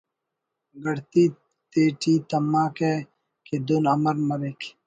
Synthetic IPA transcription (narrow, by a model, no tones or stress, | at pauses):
ɡɐɽt̪iː | t̪eːʈiːt̪ɐmːaːke | ked̪unɐmɐɾmɐɾek